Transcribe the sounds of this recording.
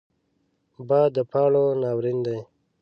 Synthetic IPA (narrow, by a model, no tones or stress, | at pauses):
bɑːd̪ːəpʰɑːɭonɑːwɾind̪aj